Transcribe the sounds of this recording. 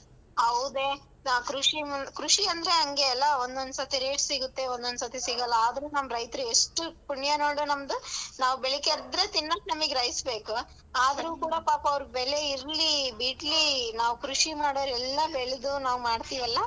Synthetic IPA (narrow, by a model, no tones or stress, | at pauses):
ɐwud̪e̞ː | naːkɾuʂimɐkɾuʂiɐnd̪ɐɾe̞ɦɐŋɡe̞ɐlːɐond̪ond̪sɐt̪iɾeːʈsiɡut̪ːe̞ond̪ond̪usɐt̪ʰisiɡɐlːɐaːd̪ɐɾenɐmɾɐjt̪ɐɾueʂʈupuɳjanoːɽunɐmd̪unaːʋubɛɭekeɾd̪ɾet̪inːɐk̚nɐmɐɡeɾɐjisbe̞ːku | aːd̪ɾuːkuːɽɐpaːpɐɐʋɾuɡbɛɭe̞iɾlibiːʈlinaːʋukɾuʂimaːɽoːɾɛlːɐbeɭed̪unaːʋumaːɖt̪iːʋɐlːɐ